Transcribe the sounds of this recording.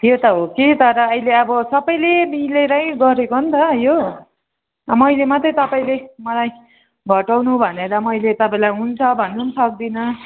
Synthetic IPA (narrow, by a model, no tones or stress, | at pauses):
t̪ʰjot̪ʌɦokit̪ʌɾʌʌjleʌbʌsʌbʌjlemileɾʌj̃ɡʌɾekoɦnt̪ʌjo | mʌjlemʌt̪ʌjt̪ʌpaĩlemʌlaj | ɡʱʌʈawnubʱʌneɾʌmʌjlet̪ʌpãĩlajɦunt͡sʰʌbʱʌnːunʌsʌk̚d̪inʌ